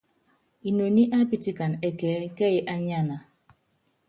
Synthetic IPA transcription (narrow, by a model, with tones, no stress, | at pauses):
i˨no˨ni˦ʔa˦pi˦ti˦ka˨nɛ˦kɛː˨˦kɛ˦ji˨ʔa˦ɲa˦na˨